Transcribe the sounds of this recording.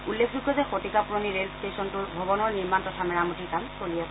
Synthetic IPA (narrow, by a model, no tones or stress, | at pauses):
ulːekʰdukʰɛzɛxotikapuɹoniɹelstesɔntuɹbʱɔbɔnɔɹniɹmantɔtʰamɛɹamutikankolijɛ